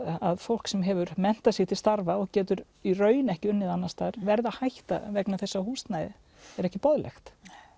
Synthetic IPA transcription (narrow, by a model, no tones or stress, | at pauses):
aðfowl̥ksɛmɦɛvʏɾmɛn̥t̪asɪxt̪ʰɪlst̪aɾvaɔɣcɛːt̪ʏɾ | irœːɥjnɛhcɪʏnːɪðanːast̪aːɾvɛɾðahajht̪a̰vɛknaθɛsːahuːst̪najðɪ | ɛɾɛhcɪpɔðlɛ̰xt̪